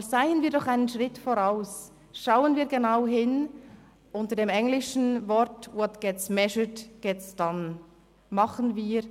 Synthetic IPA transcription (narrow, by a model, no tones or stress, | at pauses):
zaɪənviːɐdɔχaɪnənʃʁ̥ɪtfoʁaʊs | ʃaʊənviːɐɡenaʊɦɪn | ʔʊntədeːmɛŋlɪʃn̩vɔɾtwɔtɡ̥ɛtsmɛʃətɡ̥ɛtsd̥an | mɑχən̩viː